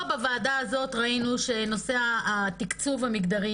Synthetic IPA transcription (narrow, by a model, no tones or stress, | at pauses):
bavaːdaazo̞tʁainuʃe̞no̞se̞aat̪ikt͡suvamiɡd̪aʁi